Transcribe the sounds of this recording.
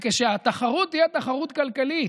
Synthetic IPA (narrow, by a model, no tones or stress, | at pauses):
keʃeat̪aχaʁut̪ijet̪aχaʁut̪kalkali